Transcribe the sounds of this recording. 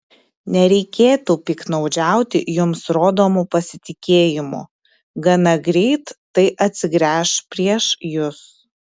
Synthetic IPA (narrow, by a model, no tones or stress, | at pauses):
nʲɛɾʲɛɪkʲeːt̪upʲiknɐʊd͡ʒʲæˑʊt̪ʲɪ̰jʊmsɾoːd̪oːmupɐsʲɪt̪ʲɪkʲeːjɪmṵː | ɡɐnɐɡɾʲɛɪt̪ːɐɪʔɐt̪ʲsʲɪɡɾʲæːʃpʲɾʲiɛʃjʊs